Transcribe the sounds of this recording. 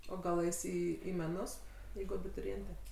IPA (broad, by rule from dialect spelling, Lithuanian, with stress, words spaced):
oː ˈɡɐlˠ ˈɛɪs ˈiː iː mʲɛˈnʊs ˈjɛɪɡʊ ɐbʲɪtʊrʲɪˈeːnʲtʲɛ